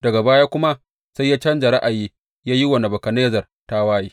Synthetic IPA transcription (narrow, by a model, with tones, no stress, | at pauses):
d̥ɐ˨ɡa˨baː˦jaː˦kʷʊ˦ma˦ | sa˦jːaː˦t͡ʃɐ˦nd͡ʒa˨ɾa˦ʔa˨jiː˦ | jaː˦ji˦wɐ˨na˨bɐ˨kɐ˨neː˦zɐ˨r | ta˦waː˦jiː˦